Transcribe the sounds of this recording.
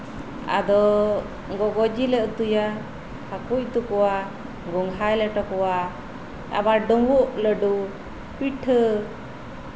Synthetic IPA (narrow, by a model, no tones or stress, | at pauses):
a̰d̪ɔ | ɡɔɡɔd͡ʒiləʔt̪uja | hakuc̚t̪ukɔwa | ɡɔŋɦajlɛʈɔkɔwa | a̰baɖɔŋɡuʔləɖu | piʈʰə